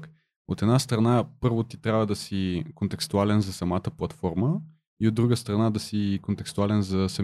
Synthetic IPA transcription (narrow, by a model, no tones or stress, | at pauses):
k | ot̪ɛd̪nast̪ɾɐnapɤɾvot̪i̥t̪ɾʲjabvəd̪ɐsikont̪ɛkst̪ualɛnzɐsɐmat̪əplˠɐt̪fɔɾmə | iod̪ːɾuɡəst̪ɾɐnad̪ɐsikont̪ɛkst̪ualɛnzɐsɐ